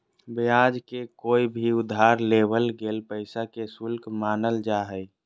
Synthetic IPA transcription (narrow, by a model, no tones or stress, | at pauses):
bjad͡ʒkekoːibʱiʊd̪ʱːaɾlebəlɡeːlpəɪsakesʊlkmaːnəld͡ʒaɦəj